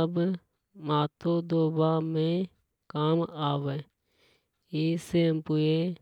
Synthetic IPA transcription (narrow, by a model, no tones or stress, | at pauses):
əb | maːt̪ʰoːd̪oːbaːmẽ | kaːmaːʋeː | iːseəmpʊe